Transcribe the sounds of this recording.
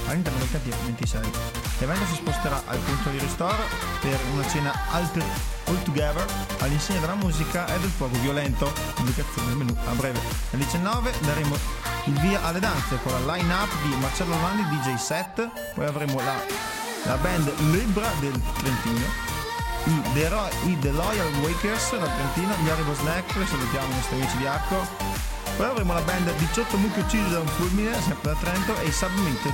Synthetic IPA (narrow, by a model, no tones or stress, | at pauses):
alːint̪ɛɾrnod̪elkat̪ːiːvovent̪isɛj | levɛnt̪os̬ispost̪eɾaʔa̰lp̪ent̪od̪iɾest̪ɔɾa | peɾunat͡ʃeːnaalt̪ɾ | olt̪uɡɛvɛɾ | alːinsjɛːɲod̪elamuːzikaʔɛd̪elfwɔːɡovjolɛnt̪o | publikat̪sːjoːned̪elmenua̰bɾɛːve | neld̪it͡ʃɛnːɔːved̪aɾeːmo | ilviːaʔalːed̪ant̪sekonlalajnapːd̪imart͡ʃɛlːolanɡ̪id̪id͡ʒejsɛt̪ː | pɔjavɾeːmola | lʔa̰bɛnd̪libɾad̪elt̪ɾent̪iːno̰ | id̪eɾɔjid̪elɔjalwejkersd̪at̪ɾent̪iːnod̪jaɾiboznɛkːɾeselut̪jaːmonɔst̪ɾiamiːt͡ʃid̪iarko | pɔjavɾeːmolabɛnd̪d̪it͡ʃɔt̪ːomuk̪eut͡ʃːiːzod̪auɱfulmines̬ɛmpɾed̪at̪ːɾɛnt̪oʔesabmet̪o